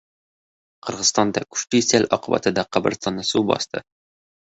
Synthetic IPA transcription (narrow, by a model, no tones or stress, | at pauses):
qɤ̆ɾʁɤzst̪ɑnd̪ɑkʉ̥ʃt̪isælʔɒqɤbæ̰t̪əd̪ɒqɒbɘ̰̆ɾst̪ɑnːɑsubɒ̰st̪ɤ